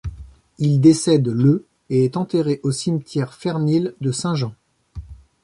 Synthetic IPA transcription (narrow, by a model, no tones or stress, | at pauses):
ild̪esɛd̪lə | eɛt̪ɑ̃t̪eʁeʔosimt̪jɛʁfɛʁnild̪əsɛ̃ʒɑ̃